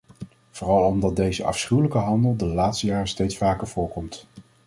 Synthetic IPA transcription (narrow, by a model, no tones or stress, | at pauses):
v̥ʊːrɑlˠɔmdɑt̚dejzəʔɑ̰fsχywləkəɦɑndəlˠdəlaːtstəjaːrəstejtsfaːkəɹv̥ʊːɹkɔmt